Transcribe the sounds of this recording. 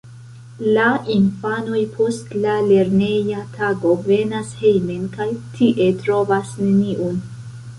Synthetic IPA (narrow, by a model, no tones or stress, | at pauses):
lainfano̞jpʰo̞stlale̞ɾne̞jatʰaɡo̞ve̞nashe̞jme̞nkajtʰiʔe̞tɾo̞vasne̞niʔun